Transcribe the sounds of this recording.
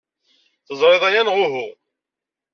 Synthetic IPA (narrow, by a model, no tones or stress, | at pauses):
θəzˤɾˤeðˤæjænʁʊɦʊ